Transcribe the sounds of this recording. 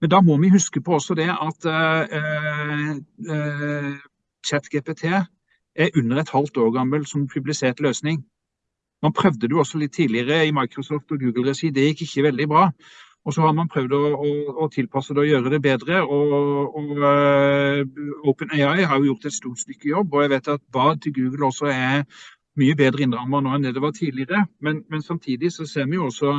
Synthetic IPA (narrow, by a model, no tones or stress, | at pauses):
mɛnd̪ɑmɔmɛhʉskəpʰɔɔsɔd̪ɛʔɑt̪ | t͡ʃæt̪ɡeːpet̪ʰeː | ʔæɾʔʉnːəʁɛt̪hɑlt̪oːʁɡɑmːəlsɔmpʰʉblɪseːt̪løːsnɪŋ | mɑnpʰɾœʋd̪əd̪ɛʊɔsːɔlɪt̪ʰːiːlɪəʁəɪmɑɪkɾɔsɔft̪ɔɡʉːɡəlɾɛsiːd̪ɛjɪkːɪçːəʋɛld̪ɪbɾɑː | ɔsɔhɑɾmɑnpʰɾœʋd̪ɔɔːt̪ʰɪlpʰɑsːəd̪ɛɔjøːɾəd̪ɛbeːd̪ɾəɔɔ | əʊpənæɪɑɪɦɑɾjʊjʊʁt̪ɛt̪st̪uːt̪st̪ʏkːəjɔbːɔjɛɡʋeɪt̪ɑt̪̚bɑːd̪̚t̪ʰɪlɡʉːɡəlɔsɔɛ | myːəbeːd̪ɾəɪnɾɑmːɑnoːɛnd̪ɛd̪ɛʋɑt̪ʰiːlɪəɾəmɛnmɛnsɑmt̪ʰiːd̪ɪsɔseːɾmɛnjʊɔsɔ